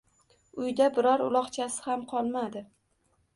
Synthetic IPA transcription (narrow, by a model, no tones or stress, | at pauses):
ʊjd̪abɪɾɒɾʊ̰lˠɒqt͡ʃʰasɪ̥hamqʰɒlˠmad̪ɪ